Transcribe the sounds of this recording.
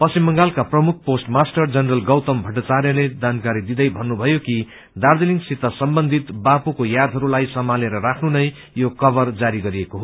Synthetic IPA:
pʌsimːʌŋɡalkaprʌmuk̚ʰposʈmasʈʌrd͡zʌnrʌlɡʌwt̪ʌmbʱʌʈːʌt͡saɾjʌled͡zankaɾid̪id̪ʌjbʱʌnːubʱʌjoki | d̪ard̪eliŋɡsit̪ʌsʌmbʌnd̪ʱit̪bapukojad̪ʱʌɾulajsʌmaleɾʌɾakʰnunʌj | jokʌbʌrd͡zaɾiɡʌɾiekoɦo

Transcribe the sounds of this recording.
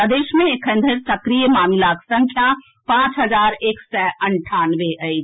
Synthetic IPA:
əd̪eːʃmẽekʰə̃nd̪ʱəɾsɐkɾijəmaːmɪlaksə̃ŋkʰja | pãːt͡ʃɦəzaːɾeːksɛʔɐɳʈʰaːnʋeʔəid͡ʒ

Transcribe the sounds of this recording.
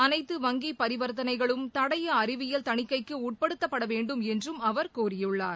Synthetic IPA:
ɐnɐɪt̪ːɯʋɐŋɡipɐɾɪʋɐɾt̪ɐnɐɪɣɐɭɯmt̪ɐɽɐjɐːɾɪʋɪjɐlt̪ɐɳɪkːɐɪkːɯuːʈ̚pɐɽɯt̪ːɐpːɐɽɐʋeːɳɖɯmɛndrɯmɐʋɐɾkuːrɪjɯɭːaːɾ

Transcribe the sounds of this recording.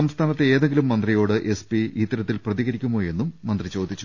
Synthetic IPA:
ɐmst̪ʰaːnɐt̪ːeeːðe̞ŋɡilumːɐnd̪rijo̞ːɽɨʔe̞spiit̪ːɐɾɐt̪ːilprɐðiɣɐɾikʲːumːoːje̞nːumːɐnd̪rit͡ɕo̞ːd̪ʱːit͡ɕːu

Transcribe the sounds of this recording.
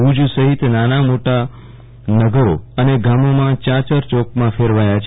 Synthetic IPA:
ud͡ʒusəɦit̪nanamoʈa | nəɡəɾoəneɡamomãt͡ʃat͡ʃəɾt͡ʃɔkmãfʰeɾʋajat͡ʃʰ

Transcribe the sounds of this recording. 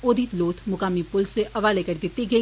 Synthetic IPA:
oːd̪iːt̪loːt̪ʰmʊkaːmipʊlseʔɐʋaːlekəɾd̪ɪt̪ːiɡɐi

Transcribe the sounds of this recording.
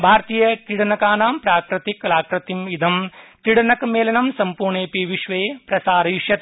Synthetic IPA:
bʱaːɾt̪iːjɐkiɽɐnɐkaːnaːmpɾaːkɾɐt̪iklaːkɾɐt̪imid̪ʱɐmk̪iɽɐnɐkmeːlɐnɐmsɐmpuːɾɳeːpiʋiʃʋeːpɾɐsaːɾɐjuʃjɐt̪

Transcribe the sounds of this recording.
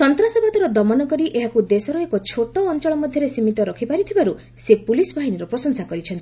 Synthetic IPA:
sɔnt̪ɾasabat̪ɔɾɔd̪ɔmɔnɔkɔɾiʔeɦakud̪esɔɾɔekɔt͡ʃʰoʈɔːnt͡ʃɔɭɔmɔd̪ʱjɔɾesimit̪ɔɾɔkʰipaɾit̪ʰibaɾu | sepulisɔbʱaɦiniɾɔpɾɔsɔnsakɔɾit͡ʃʰɔnt̪i̥

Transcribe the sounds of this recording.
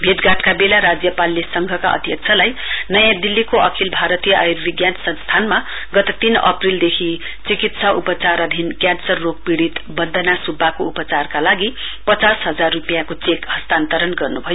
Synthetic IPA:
bʱed̪ɡaʈkabelaɾad͡zjʌpalːesʌŋɡʱʌkaʔʌ̰d̪ʱjʌk̚t͡sʰʌlaj | nʌjãd̪ilːikoʔʌkʰilbʱaɾʌt̪ijʌʔajurbiɡjansʌ̃nst̪ʰanma | ɡʌt̪ʌt̪inʌ̰prild̪ekʰi | t͡sikit̪saupʌt͡sarʌd̪ʱinkjansʌrːok̚piɽit̪bʌnd̪ʱʌnasubːakoupʌt͡sarkalaɡi | pʌt͡sasɦʌd͡zarːupijakot͡sekhʌst̪ant̪ʌɾʌnɡʌrnubʱʌjo

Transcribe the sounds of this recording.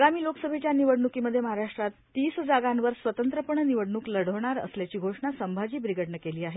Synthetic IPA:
əɡamiːloksəbʱet͡ɕjaniʋəɽɳukiːməd̪ʱjeməɦaɾaʂʈɾat̪ːiːsd͡zaɡanʋəɾsʋət̪ənt̪ɾəpəɳniʋəɽɳuːkləɽəʋɳaɾə̰sljat͡ɕiːɡʱoʂɳasəmbʱad͡ʑiːbɾiɡəʈɳəkeliːaɦe

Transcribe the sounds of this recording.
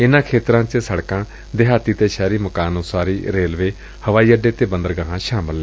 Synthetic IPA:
ɪnãːkʰeːt̪ɾãːt͡ʃəsəɽkãː | d̪eɦaːt̪iːt̪eːʃɛːɾiːməkaːnoːsaːɾiːɾeːlʋeː | həʋaːiːəɖeːt̪eːbənd̪əɾɡaːɦãːʃaːmɪlːɛː

